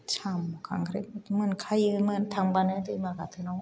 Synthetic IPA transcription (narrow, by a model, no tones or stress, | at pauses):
t͡ɕʰamːɔkaŋɡɯɾeɯmɯnkʰajiɯmɯnt̪aŋbanɯdɯmaɡatʰɯno